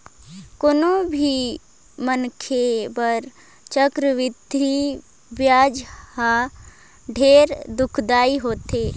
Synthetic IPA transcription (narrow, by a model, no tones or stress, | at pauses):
koːnõbʱi | mənkʰebəɾ | t͡ʃəkɾəʋɪd̪ʱi | bjaːd͡ʒha | ɖʱeːɾd̪ʊkʰd̪aːiɦoːt̪eː